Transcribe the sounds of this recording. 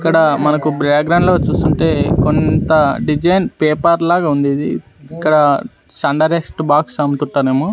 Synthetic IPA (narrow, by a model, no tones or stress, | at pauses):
ikːɐɽɐmɐnɐkubɾeːkɡɾɐwɳɖlo̞ːt͡ʃuːst̪uɳʈe̞ːkont̪ɐɖid͡ʒɐjnpeːpɐɾlaːɡaːund̪iːd̪i | ikːɐɽɐ | sɐɳɖɐɾesʈbaːksɐmt̪uɳʈːaːneːmoː